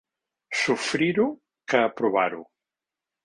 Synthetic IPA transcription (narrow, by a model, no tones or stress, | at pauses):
sufɾiɾu | kəːpɾuβaɾṵ